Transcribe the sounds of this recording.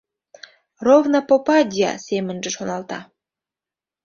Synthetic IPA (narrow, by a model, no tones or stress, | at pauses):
rovnɑpopɑdʲijɑ̰semə̆nʒə̆ʃonɑlt̪ɑ